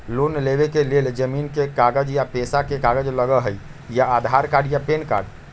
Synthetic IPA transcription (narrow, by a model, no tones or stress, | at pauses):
lonleβekeleld͡ʒəminkekaɡəd͡ʒjapesakekaɡəd͡ʒləɡəɦəj | jaːd̪ʱaɾkaɖjapenka̰ɖ